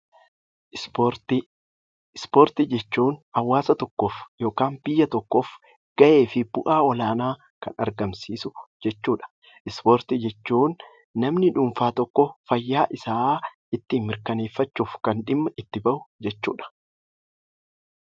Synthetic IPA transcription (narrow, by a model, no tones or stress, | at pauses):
spoːɾt̪ɪd͡ʒɛt͡ʃːuːnɐwːaːsɐt̪ɔkːofjo̞ːkaːnbɪjːɐt̪ɔkːof | ɡ̥ɐʔe̞ːfɪb̥ʊʔaːɔlaːnaː | kɐ̰nɐ̰ɾɡɐmsiːsʊd͡ʒɛt͡ʃːuːᶑɐ̥ | ʔɪspoːɾt̪ɪd͡ʒɛt͡ʃːuːnː | ɐmnɪᶑuːmfaːt̪ɔkːɔfɐjːaːʔɪsaːʔɪt̪ːɪmːɪɾkɐne̞ːfːɐt͡ʃːuːfkɐnᶑɪmːɐʔɪt̪ːɪbɐʔʊd͡ʒɛt͡ʃːṵːᶑɐ̥